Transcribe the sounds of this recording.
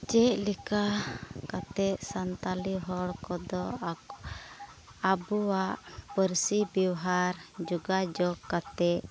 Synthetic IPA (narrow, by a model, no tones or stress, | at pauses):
t͡ʃɛʔlɛkakat̪ɛʔsant̪aliɦɔɽkɔd̪ɔa | abuwaʔpəɾsibjɛwɦaɾd͡ʒuɡad͡ʒɔkat̪ɛʔ